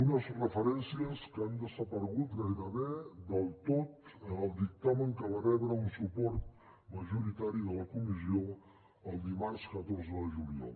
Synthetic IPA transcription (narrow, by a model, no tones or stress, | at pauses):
unəzrəfəɾɛnsiəskand̪əzəpəɾɣut̪ɣajðəβed̪əlˠt̪ot̪əəlˠd̪ik̚t̪aməŋkəβarɛβɾəunsupɔɾt̪̚ | məʒuɾit̪aɾiðələkumizio | əlˠd̪imaɾskət̪oɾzəðəʒulia̰lˠ